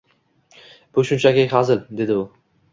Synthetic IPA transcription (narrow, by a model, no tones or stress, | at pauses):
b̥ʊʃʊnt͡ʃʰakʲɪhazɪld̪e̞d̪ɪʊ